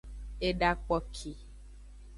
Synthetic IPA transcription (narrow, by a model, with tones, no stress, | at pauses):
e˨ɖa˨k͡pɔ˦kʰi˨